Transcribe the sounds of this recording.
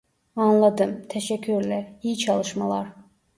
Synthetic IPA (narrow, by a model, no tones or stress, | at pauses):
ɑnlˠɑd̪ɯmt̪ʰæʃæcʰːyɾlæɾhit͡ʃʰɑlˠɯʃmɑlˠɑ̰ɾ